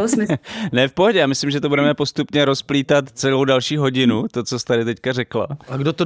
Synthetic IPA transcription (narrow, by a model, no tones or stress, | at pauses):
osmɪnɛfpoɦoɟɛjaːmɪslɪmʒɛt̪obudɛmɛpo̞st̪upɲɛɾo̞spliːt̪at̪t͡sɛlowdalʃiːɦo̞ɟɪnut̪o̞t͡so̞st̪adɪt̪ɛckarɛkla̰aɡdot̪o